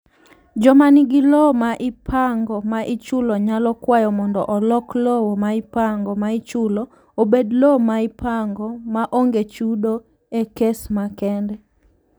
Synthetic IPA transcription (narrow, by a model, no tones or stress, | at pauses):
d͡ʒɔmaniɡɪlɔmaʔɪpʰaŋɡɔmaʔɪt͡ʃʊlɔɲalɔkwajɔmɔndɔʔɔlɔklɔwomaɪpaŋɡɔmait͡ʃulɔ | obedlomaɪpʰaŋɡɔmaʔoŋɡet͡ʃudo | ekesmakɛndɛ